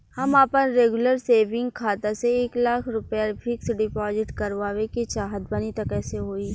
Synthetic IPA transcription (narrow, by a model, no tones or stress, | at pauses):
hɐmaːpənɾeːɡʊləɾseːʋɪ̃ŋɡkʰaːt̪aseeːklaːkʰɾʊpjapʰɪksɖɪpɔːzɪʈkɐɾʋaːʋeket͡ʃaːɦəd̪̚bɐnit̪ɐkɛːseɦoːiː